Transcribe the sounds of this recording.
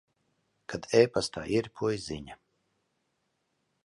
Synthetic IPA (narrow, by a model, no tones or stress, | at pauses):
kʰad̪ɛːpast̪ʰa̰ːʔiɾpʰujziɲa